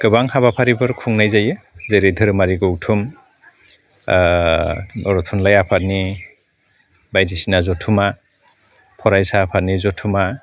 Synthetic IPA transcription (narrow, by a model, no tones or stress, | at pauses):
kɯbaŋhabapʰaɾibɯɾkʰuŋnajzajɯ | zeɾedʱɯɾɯmaɾiɡowtʰum | ɔɾɔtʰunlajapʰatni | bajdisinazɔtʰuma | pʰɔɾajsaːpʰatnizɔtʰuma